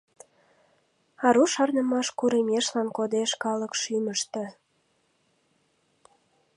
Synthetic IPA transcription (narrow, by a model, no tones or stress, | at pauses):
ɑɾuʃɑrnə̆mɑʃkuɾemeʃlɑnkod̪eʃkɑləkʃyməʃt̪ə̆